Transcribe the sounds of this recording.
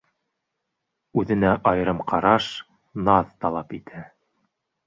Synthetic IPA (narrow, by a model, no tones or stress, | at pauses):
ʉðɘ̆næʔɑjɤ̆ɾɤmqʰɑɾɑʃ | nɑðt̪ɑlˠɑpit̪ʰæ